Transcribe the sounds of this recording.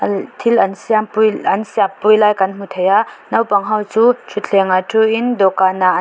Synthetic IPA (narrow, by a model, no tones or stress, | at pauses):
tʰilɐnsijampuɐnsiapːujlajkanmut̪ʰejanawpaŋɦawt͡ʃut͡ʃʰutʰeŋatʰuindɔkana